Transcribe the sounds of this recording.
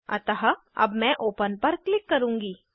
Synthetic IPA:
ɐ̰t̪ɐɦ | ɐ̰bmɛ̃ːʔoːpənpɐɾklɪkːɐɾũːŋɡiː

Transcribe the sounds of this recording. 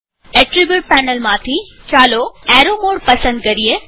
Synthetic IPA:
eʈɾibjuʈ̚pɛːnəlmãt̪ʰi | t͡ɕaːloɛːɾomoːɽpɐsə̃nd̪̚kɐɾie

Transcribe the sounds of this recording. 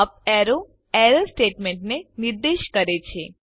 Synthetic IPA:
əp̚ɛɾo | ɛɾəlsʈeʈmẽɳʈneniɾd̪eʃkəɾet͡ʃʰe

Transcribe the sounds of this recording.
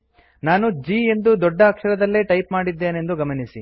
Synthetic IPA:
naːnud͡ʒiːe̞nd̪ud̪ɔɖːɐːkʂɐɾɐd̪ɐlːeʈɐjpmaːɽid̪ːe̞ːne̞nd̪uɡɐmɐnisi

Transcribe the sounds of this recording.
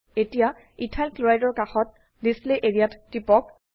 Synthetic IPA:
etija | itʰalkluajdɔɹkaxɔt̚ | disliʔeɹijatːipɔk̚

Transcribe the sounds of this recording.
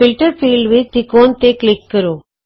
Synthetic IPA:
ɪlʈəɾfiːlɖʋɪd͡ʒt̪ikoːnt̪eklɪkːəɾoː

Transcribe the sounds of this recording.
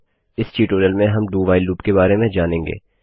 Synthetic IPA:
ɪsʈiːʈoːɾiəlmẽɦɐmɖuːʋaːɪlːuːpkebaːɾemẽd͡ʒaːnẽːŋɡḛː

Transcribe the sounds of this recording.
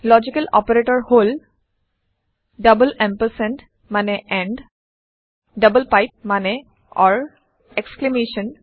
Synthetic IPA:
lɔd͡ʑikəlɔ̰peɹeʈɔɹhol | ɖəbəlɛ̃mpəsɛ̃nʈ | maneʔɛɳɖ | ɖəbəlpajp̚mane | ɔɹ | eksklemeʃɔn

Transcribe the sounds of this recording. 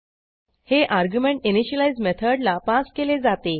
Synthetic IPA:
heʔaɾɡjumẽɳʈiniɕəlaizmet̪ʰəɖlapaskeled͡zat̪e

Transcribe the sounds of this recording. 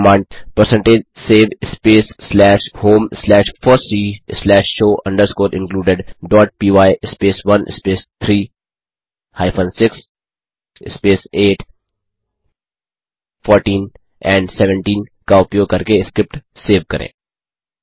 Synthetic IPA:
mãːɳɖpəɾsɛ̃ɳʈeːd͡ʒseːʋɪspeːsːlɛːʃhoːmslɛːʃfʰɔɾsiːslɛːʃʃoːʔɐ̃ɳɖəɾskoːɾɪ̰̃nkluːɖɪɖɖɔːʈ̚piːʋaːjʔɪspeːsʋɐnʔɪ̰speːst̪ʰɾiː | haːɪpʰə̃ːnsɪks | ɪ̰speːseːʈʰ | fʰɔːɾʈĩːn | ɛ̃ːɳɖsɛʋə̃ɳʈĩːnkaʊpjoːkɐɾkeɪskɾɪp̚ʈseːʋkɐɾʔḛ̃ː

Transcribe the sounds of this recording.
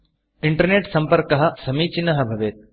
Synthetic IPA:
ɪɳʈɐɾneːʈsɐ̃mpɐɾkɐɦɐsɐmiːt͡ʃinɐɦɐbʱɐʋeːt̪̚

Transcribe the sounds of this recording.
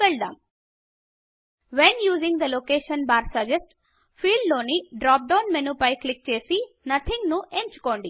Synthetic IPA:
eɭd̪ã̰ːm | ʋenjuːzĩŋɡd̪ɐloːkeːʃɐ̃nbaːɾsɐd͡ʒesʈ | fiːɖloːniɖɾaːp̚ɖãʊnmenuːpɐjklik̚t͡ʃeːsi | nɐt̪ʰĩŋɡnuʔent͡ʃu̥koːɳɖi

